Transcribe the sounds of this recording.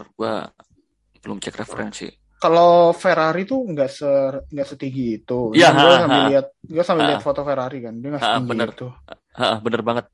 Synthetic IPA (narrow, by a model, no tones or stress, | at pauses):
rɡua̰ | b̥əlʊmt͡ʃɛkrefəɾɛnsḭ | kalofeɾaɾit̪uŋɡaʔsəŋɡaʔsət̪iŋɡiːt̪uiaɡuasampɛliat̪̚ɡuasampɪliafot̪ofeɾaɾikandiaŋɡaʔsətiŋɡbəinərt̪u | aʔəhbənərbaŋət̪̚